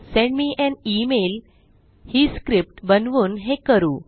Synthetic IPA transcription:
sẽɳɖmiːʔɛ̃nimel | hiːskɾip̚ʈbənʋuːnɦekəɾuː

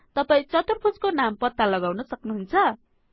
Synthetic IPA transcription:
t̪ʌpaĩt͡sʌt̪urpʰut͡skonampʌt̪ːalʌɡawnʌsʌknuɦunt͡sʰʌ

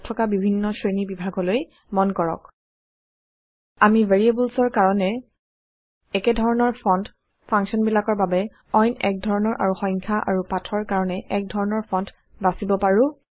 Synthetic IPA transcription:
tʰɔkabibʱinːɔsɹenibibʱaɡɔloj | mɔnkɔɹɔ̰k | amiveɹiebulsɔɹkaɹɔnɛ | ɛkɛdʱɔɹɔnɔɹpʰɔnt | pʰãŋsɔnbilakɔɹbabɛ | ɔjnɛ̰k̚dʱɔɹɔnɔɹʔa̰ɹuxɔ̃jŋkʰaʔa̰ɹupatʰɔɹkaɹɔnɛʔɛk̚dʱɔɹɔnɔɹpʰɔnt | basibɔpaɹũ

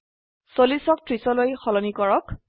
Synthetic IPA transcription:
solisɔk̚tɹisɔlojxɔlɔnikɔɹɔk

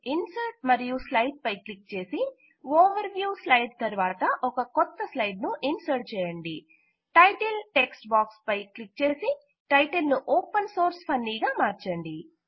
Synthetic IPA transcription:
insɐɾʈ̚mɐɾijuslɐjɖ̚pɐjklik̚ːt͡ʃe̞ːsi | oːʋɐɾʋjuːslɐjɖt̪ɐɾʋaːt̪ɐʔɔkɐkɔt̪ːɐslɐjɖnuʔinsɐɾʈ̚t͡ʃɛːjɐɳɖi | ʈɐjʈelʈeksʈbaːkspɐjklikːt͡ʃe̞ːsi | ʈɐjʈelnuʔoːpɐnso̞ːɾspʰɐnːiːɡaːmaːɾt͡ʃɐɳɖi

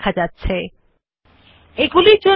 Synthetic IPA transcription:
kʰad͡ʑatːɕʰe | eɡuliɾd͡ʑo

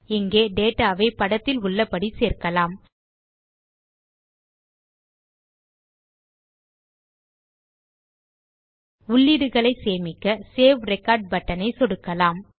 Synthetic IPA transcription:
ɪŋɡeːɖeːʈːaːʋɐɪpɐɽɐt̪ːɪlʊɭːɐpːɐɽiseːrkɐlaːm | ʊɭːɪɽɯɣɐɭɐɪseːmɪkːɐseːʋɾɛkaːɾɖ̚bɐʈːɐnɐɪsɔɽɯkːɐlaːm

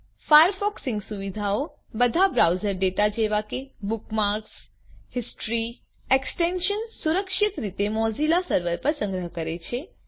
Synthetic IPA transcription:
fajəɾfɔksɪ̃ŋɡsuʋid̪ʱao | bəd̪ʱabɾawzəɾɖeʈad͡ʒeʋakebukmaɾks | hɪsʈɾi | eksʈenʃənsuɾəkʃɪt̪ɾit̪emɔzilasəɾʋəɾpəɾsə̃ŋɡɾəɦkəɾet͡ʃʰe

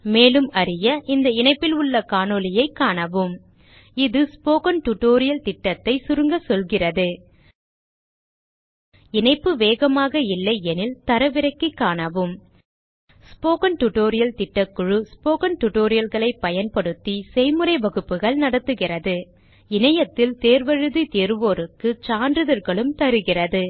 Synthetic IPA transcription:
meːlɯmɐɾɪjɐʔɪnd̪ɐɪnɐɪpːɪlʊɭːɐkaːnoːlɪjɐɪkːaːɳɐʋɯm | ɪðɯspoːkɐnʈʊʈːoːɾɪjɐlt̪ɪʈːɐt̪ːɐɪsʊɾɯŋɡɐsɔlɣɪrɐðɯ | ɪnɐɪpːɯʋeːɣɐmaːɣɐɪlːɐɪɛnɪlt̪ɐɾɐʋɪɾɐɪkːɯkːaːɳɐʋɯm | spoːkɐnʈʊʈoːɾɪjɐlt̪ɪʈːɐkːʊɻɯspoːkɐnʈʊʈoːɾɪjɐlɣɐɭɐɪpːɐjɐnpɐɽɯt̪ːisɛɪmɯɾɐɪʋɐɣɯpːɯɣɐɭnɐɽɐt̪ːɯɣɪrɐðɯ | ɪnɐjɐt̪ːɪlt̪eːɾʋɐɻɯðit̪eːɾʋoːɾɯkːɯt͡ʃaːndrɯðɐɾɣɐɭɯmt̪ɐɾɯɣɪrɐðɯ

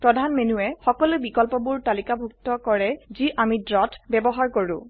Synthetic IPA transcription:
pɹɔdʱanmenuɛxɔkɔlubikɔlpɔbuɹtalikabʱuk̚tɔkɔɹɛziʔamidɹɔtbɛbɔɦaɹkoɹṵ̃

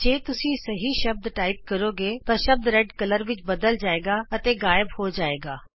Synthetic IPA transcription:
d͡ʒeːt̪ʊsĩːsəɦiːʃəb̚d̪ʈaːiːp̚kəɾoːɡeːt̪ãːʃəb̚d̪ɾɛɖkələɾʋɪt͡ʃbəd̪əld͡ʒaːeːɡaːət̪eːɡaːjəbhoːd͡ʒaːeːɡaː

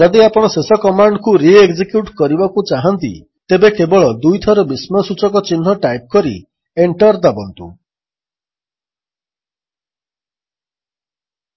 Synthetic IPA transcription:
d͡ʒad̪iapɔɽ̃ɔsesɔkɔmaɳɖkuɾieɡd͡ʒikjuʈkɔɾibakut͡ʃaɦant̪ḭ | t̪ebekebɔɭɔd̪ujt̪ʰɔɾɔbismɔsut͡ʃɔkɔt͡ʃinːɔʈajp̚kɔɾḭ | eɳʈɔɾd̪abɔnt̪ṵ

